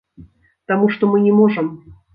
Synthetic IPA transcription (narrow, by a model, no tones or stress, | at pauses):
t̪amuʂt̪omɨnʲɪmɔʐɨm